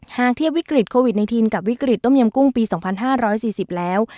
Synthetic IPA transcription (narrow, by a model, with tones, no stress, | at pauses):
haː˨˩k̚t̪ʰi˥˩wi˦˥kɾi˨˩kʰoː˧wi˨˩t̪̚na˧jt̪ʰiː˧nka˨˩p̚wi˦˥kɾi˨˩t̪̚ːo˥˩mji˧əmku˥˩ŋpiː˧sɔː˩˦ŋpʰa˧nɦaː˥˩ɾɔː˦˥jsiː˨˩si˨˩p̚lɛː˦˥w